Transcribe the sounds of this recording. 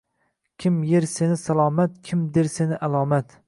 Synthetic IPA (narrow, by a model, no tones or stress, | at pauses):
kʲʰɪmjeɾsenɪsalˠɒːmat̪̚kʲʰɪmd̪eɾsenɪʔalˠɒːmat̪